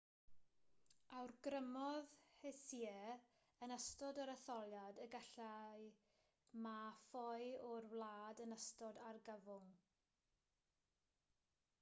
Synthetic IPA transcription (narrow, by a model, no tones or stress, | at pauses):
awrɡrəmɔðhɛsiɛ | ənəstɔdəɾəθɔlˠjadəɡəɬaj | mafɔjɔrwlˠaːdənəstɔdarɡəvʊŋ